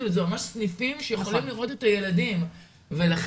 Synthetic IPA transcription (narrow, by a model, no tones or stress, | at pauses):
uzemamaʃsnifimʃejeχo̞limliʁo̞t̪e̞taje̞ladim | ve̞laχ